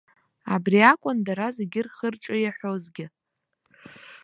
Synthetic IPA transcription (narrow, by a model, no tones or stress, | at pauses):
abriakʷʼʊndaɾazeɡʲɪrχərʈ͡ʂʼɨjaħʷozɡʲɪ